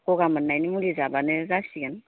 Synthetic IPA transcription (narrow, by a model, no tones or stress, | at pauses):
kɔɡamənːajnimulizabanɛzasiɡan